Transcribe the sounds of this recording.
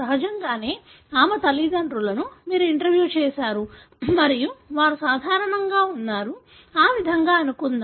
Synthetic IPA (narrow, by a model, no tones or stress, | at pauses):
ɐɦɐd͡ʒɐŋɡaːne̞ː | aːmɐt̪ɐlid̪ɐɳɖɾulɐnumiːɾuiɳʈɐɾʋjuːt͡ʃɛːʃaːɾu | mɐɾijuʋaːɾusaːd̪ʱaːɾɐɳɐŋɡaːunːaːɾu | aːʋid̪ʱɐŋɡaːɐnukund̪i